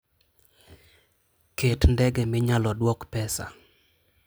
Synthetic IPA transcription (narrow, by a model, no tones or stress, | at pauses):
ketndɛɡɛmɪɲalɔdwɔkpɛsa̰